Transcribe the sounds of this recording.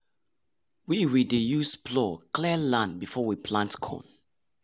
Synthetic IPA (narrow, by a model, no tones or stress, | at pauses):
wiwidejusplɔklilãnbifɔwipʰlãntkʰõ̰n